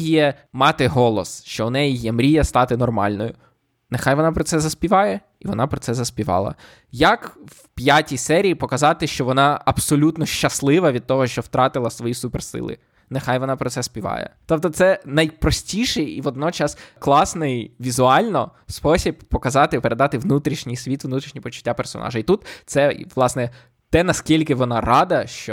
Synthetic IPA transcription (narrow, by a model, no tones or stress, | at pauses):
jɛ | mɑt̪ɪɦɔlˠɔsʃt͡ʃɔʊnɛjijɛmɾʲijɐst̪ɑt̪ɪnɔrmɑ̰lʲnɔjʊ | nexajʋɔnɑpɾɔt̪sɛzɐsʲpʲiʋɑjɛ | iʋɔ̰nɑpɾɔt̪sɛzɐsʲpʲiʋɑ̰lˠɐ̰ | jɐkw | pʲjatʲisɛɾʲijːpɔkɐzɑt̪ɪʃt͡ʃɔʋɔnɑɐbsɔlʲut̪nɔʃt͡ʃɐslˠɪʋɐʋʲid̪̚t̪ɔɦɔʃt͡ʃɔwt̪ɾɑt̪ɪlˠɐsʋɔjisupɛrsɪ̰lˠɪ̰ | nexajʋɔnɑpɾɔsɛspʲiʋɑ̰jɛ̰t̪ɔp̚t̪ɔt̪sɛnɐjpɾɔsʲtʲiʃɪjiʋɔd̪̚nɔt͡ʃɑsklˠɑsnɪjʋʲizʊɑlʲnɔ̰ | spɔsʲibpɔkɐzɑt̪ɪpeɾe̞d̪ɑt̪ɪʋnut̪ɾʲiʃnʲɪjsʲʋʲit̪ʋnut̪ɾʲiʃnʲipɔt͡ʃʊ̥tʲːapersɔ̰nʔɑ̰ʒɐit̪ut̪t̪sɛʋlˠɑsnɛ | t̪ɛnɐskʲilʲkɪʋɔnɑrɑd̪ɐʃt͡ʃɔ